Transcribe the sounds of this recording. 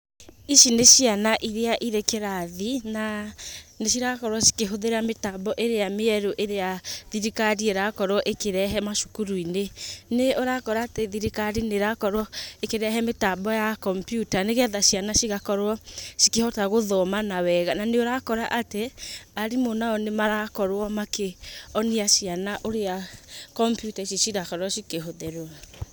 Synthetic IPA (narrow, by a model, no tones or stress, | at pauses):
iʃineʃianaʔiɾeaʔiɾekeɾaðina | neʃiɾakɔɾwɔʃi̥keɦoðeɾametabɔʔeɾeameɛɾoʔeɾeaðiɾikaɾieɾakɔɾwɔʔekeɾɛɦɛmaʃukuɾuineneoɾakɔɾaːteðiɾikaɾineɾakɔɾɔekeɾɛɦɛmetabɔjakɔmpjutaneɣɛðaʃianaʃiɣakɔɾwɔʃikehɔtaɣoðɔmanawɛɣananeoɾakɔɾaʔateaɾimonaɔnemaɾakɔɾwɔmakeɔneaʃianaʔoɾeakɔmpjutaiʃeʃiɣakɔɾɔʃikeɦoðɛɾo